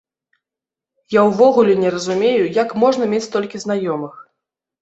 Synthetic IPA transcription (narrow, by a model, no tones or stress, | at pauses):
jawvɔɣulʲɛnʲɛɾɐzumʲejujakmɔʐnɐmʲet͡sʲt̪ɔlʲkʲizn̪ajɔmɨx